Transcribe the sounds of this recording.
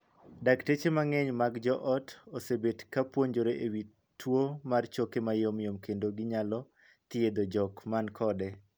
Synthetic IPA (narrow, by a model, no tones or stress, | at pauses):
daktet͡ʃemaŋɛɲmaɡd͡ʒɔʔɔtosebetkapwoɲd͡ʒoɾeʔewi | tːwomart͡ʃokemajomjomkendoɡɪɲalɔ | t̪ied̪od͡ʒɔkmankʰɔdɛ